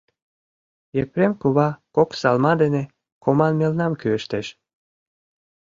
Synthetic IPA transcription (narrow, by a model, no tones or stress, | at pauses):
epɾemkuβɑkoksɑlmɑd̪ene | komɑnmelnɑmkyeʃt̪eʃ